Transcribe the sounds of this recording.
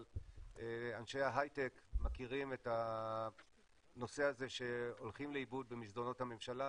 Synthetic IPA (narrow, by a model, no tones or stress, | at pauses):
eanʃejaɦajtekmakiʁime̞ta | no̞se̞aze̞ʃe̞o̞lχimleibud̪̚bemisd̪ono̞thame̞mʃala